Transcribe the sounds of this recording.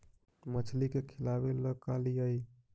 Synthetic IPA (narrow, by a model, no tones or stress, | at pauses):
mət͡ʃʰlikekʰilabeləkaliəj